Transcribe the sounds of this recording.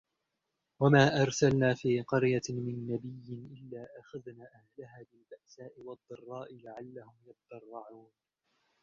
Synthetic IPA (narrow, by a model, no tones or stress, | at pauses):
wamaːʔɑɾˤsalnaːfiːqɑɾjamɪnːabɪjːɪnʔɪlːaːʔaxaðnaːʔahlaɦaːbɪlbaʔsaːʔɪwɑd̪ˤːɑrˤːɑːʔɪlaʕalːahʊmjɑt̪d̪ɑrˤːɑʕuːn